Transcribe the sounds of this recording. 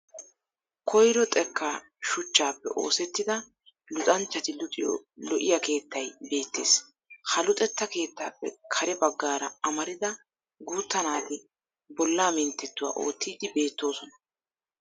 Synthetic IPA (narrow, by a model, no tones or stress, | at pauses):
kʰɔjɾɔt̪ʼɛkːa | ʃʊt͡ʃːaːpːɛ̰ʔo̞̰ːsɛt̪ːɪd̪ɐ | lʊt̪ʼɐnt͡ʃːɐt̪ɪlʊt̪ʼɪjlɔʔɪjɐke̞ːt̪ːɐjbe̞ːt̪ːe̞ːs | hɐlʊt̪ʼɛt̪ːɐke̞ːt̪ːaːpːɛ̰kʰɐɾɛbɐɡːaːɾɐɐmɐɾɪd̪ɐ | ɡuːt̪ːɐnaːt̪ɪ | bɔlːaːmɪnt̪ːɛt̪ːʊwa̰ːʔo̞̰ːt̪ːiːd̪ɪbe̞ːt̪ːo̞ːsɔnɐ